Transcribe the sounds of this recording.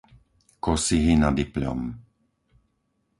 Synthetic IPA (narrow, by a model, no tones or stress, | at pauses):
kɔsiɦinad̪ipʎɔ̰m